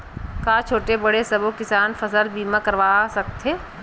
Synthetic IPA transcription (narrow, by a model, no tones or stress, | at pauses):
kaːt͡ʃʰoːʈebɐɽesɐbokɪsaːnfʰɐsəlbiːmãkɐɾʋaːsɐk̚t̪ʰeː